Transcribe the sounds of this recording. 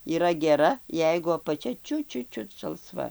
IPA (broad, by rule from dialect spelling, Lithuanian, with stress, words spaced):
iːˈrɐ ɡʲɛˈrɐ ˈjɛɪɡʊ ɐpɐˈt͡ʃʲɛ ˈt͡ʃʲʊt ˈt͡ʃʲʊt ˈt͡ʃʲʊt ʒɐlˠˈsʋɐ